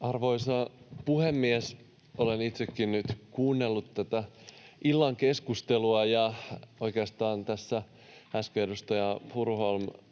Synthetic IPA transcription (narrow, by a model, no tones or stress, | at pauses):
ɑrʋoisɑpuhemːies | olenit̪sekːinnyt̪kuːnːelːut̪tæt̪æilːɑŋkeskust̪eluɑjɑoikeɑst̪ɑːnt̪æsːæ | æskeːdust̪ɑjɑpurholm